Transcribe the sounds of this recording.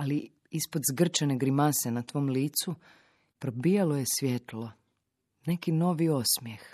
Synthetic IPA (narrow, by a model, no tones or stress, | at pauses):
ali | ispod̪zɡr̩t͡ʃaneɡɾimasenat̪ʋo̞ːmliːt̪su | pɾobijalo̞je̞sʋjet̪lˠo̞ | ne̞kino̞ʋio̞smjex